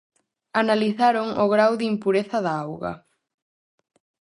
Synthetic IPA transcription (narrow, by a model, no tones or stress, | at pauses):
analiθaɾoŋʊɣɾawðimpuɾeθɐðaawɣɐ̰